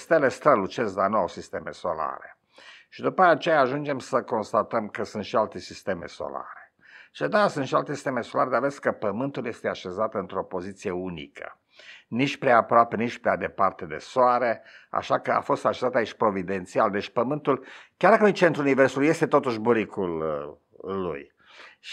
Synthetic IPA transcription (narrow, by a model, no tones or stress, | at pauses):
st̪ele̞st̪ɾəlut͡ʃezd̪anuawsist̪e̞me̞̰so̞̰la̰ɾe | ʃid̪upəat͡ʃe̞jaːʒund͡ʒe̞msəko̞nst̪at̪əmkəsunt̪ʃialt̪e̞sist̪e̞me̞̰so̞̰la̰ɾe̥ | t͡ʃed̪asunt̪ʃialt̪esi̥st̪emeso̞laɾed̪aveskəpəmɨnt̪uljest̪eaʃe̞zat̪ɨnt̪ɾo̞po̞zit̪sije̞unḭkʰə̰ | nit͡ʃpɾeaːpɾoape̞nit͡ʃpɾea̰d̪epart̪e̞d̪e̞̰soaɾe̞a̰ʃakəa̰fo̞st̪aʃezat̪ait͡ʃʲpɾo̞vid̪e̞nt̪siald̪e̞t͡ʃʲpəmɨnt̪ulkʲjaɾrd̪akənjt͡ʃe̞nt̪ɾuuniversulje̞st̪e̞t̪o̞t̪uʃbuɾikʰulː | ṵj